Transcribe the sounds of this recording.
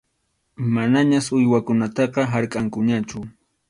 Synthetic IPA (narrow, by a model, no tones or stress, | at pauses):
manaɲasʊjwakʊnat̪ɑqɑɦaɾkʼaŋkʊɲat͡ʃʊ